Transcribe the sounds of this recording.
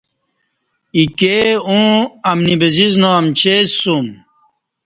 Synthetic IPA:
ikeũɐmnibɐziznoɐmt͡ɕeum

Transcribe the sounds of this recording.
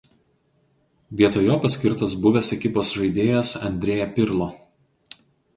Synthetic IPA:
ʋʲiɛt̪oːjoːpɐsʲkʲɪɾt̪osbʊʋʲɛsɛkʲɪpoːsʒɐɪd̪ʲeːjɛsɐ̰nʲd̪ʲɾʲeːjɛpʲɪɾlˠoː

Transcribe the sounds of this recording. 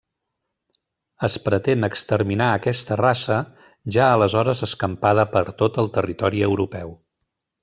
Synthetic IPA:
əspɾət̪enəkst̪əɾminaəkɛst̪ərasə | ʒaələzɔɾəzəskəmpaðəpəɾt̪ot̪əlˠt̪ərit̪ɔɾiəwɾupɛw

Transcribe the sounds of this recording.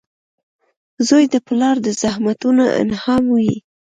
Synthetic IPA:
zojd̪əplɑɾd̪əzahmat̪unaʔɪ̰nhɑmjḭ

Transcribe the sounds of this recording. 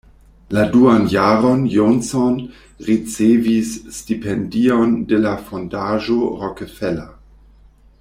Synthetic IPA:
laduanjaːɾonjonson | ɾit͡sevisːtipendiondelafondaʒoɾokefela

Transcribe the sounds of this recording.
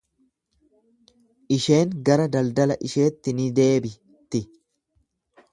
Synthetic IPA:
ʔɪʃe̞ːŋɡɐɾɐd̪ɐld̪ɐlɐʔɪʃe̞ːt̪ːɪnɪd̪e̞ːbɪ | t̪ɪ

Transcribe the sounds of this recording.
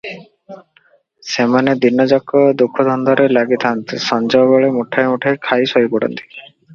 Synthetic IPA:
semaned̪inːɔd͡ʒɔkːɔd̪ukʰːɔd̪ʱɔnd̪ɔɾelaɡit̪ʰant̪isɔnd͡ʒɔɡɔɭemuʈʰajmuʈʰakʰajsoipɔɽɔ̰nt̪i̥

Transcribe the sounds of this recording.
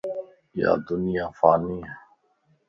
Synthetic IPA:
ja̰ːd̪ʊnɪjaːfaːniːe

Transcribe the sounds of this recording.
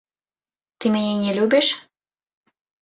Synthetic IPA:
t̪imenʲenʲelʲubeʃ

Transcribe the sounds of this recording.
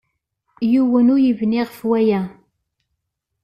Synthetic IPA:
juwənujivniʁəfwæjæ

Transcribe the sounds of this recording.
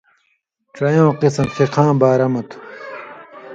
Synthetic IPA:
ʈ͡ʂɐjõːqisɐmt̪iqʰãːbaːɾɐmɐt̪ʰu̥

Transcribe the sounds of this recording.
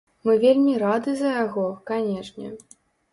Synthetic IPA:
mɨvʲelʲmʲiɾad̪ɨzɐjaɣɔkanʲɛʂnʲɛ̰

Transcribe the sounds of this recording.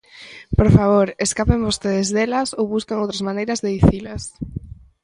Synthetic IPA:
poɾfaβ̞oɾeskapembost̪eðɪzðelɐsowβuskaŋowt̪ɾɐzmanejɾɐzðeðiθilɐs

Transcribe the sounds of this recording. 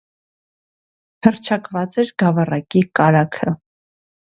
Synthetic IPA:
hərt͡ʃʰɑkvɑt͡sɛɾɡɑvɑrɑkikɑɾɑkʰə

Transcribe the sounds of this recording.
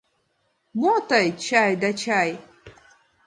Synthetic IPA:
mot̪ɐjt͡ʃʰajd̪at͡ʃʰaj

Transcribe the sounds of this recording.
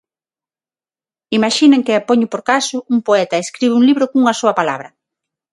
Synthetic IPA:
imaʃinẽŋkɪapoɲʊpoɾkasʊuŋpoɛt̪ɐeskɾiβɪuŋliβɾʊkoŋuŋɐsuɐpala̰βɾɐ

